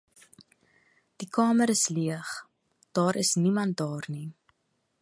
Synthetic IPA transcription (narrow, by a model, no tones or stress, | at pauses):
d̥ikɑːməɾəsliəχ | d̥ɑːɾəsnimɐnt̚dɑːrni